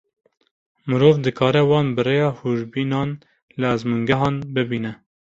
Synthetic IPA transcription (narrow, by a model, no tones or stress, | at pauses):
mɨɾoːvd̪ɨkʰɑːɾɛwɑːnbɨrejɑːhuʒbiːnɑːn | lɨæzmuŋɡɛɦɑːnbɨbiːnɛ